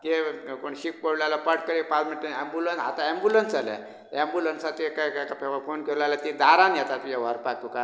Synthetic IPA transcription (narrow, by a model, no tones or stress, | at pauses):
kekoɳɕik̚pəɽlalapəʈkəɾepad͡zmiʈənɛmbulənsa̰t̪aɛmbulənsd͡zala̰ | ɛ̃mbulənsat̪ikakakapɛkfonkʰelalat̪id̪aɾãnjɛt̪at̪ujaʋ̤aɾpak̚t̪uka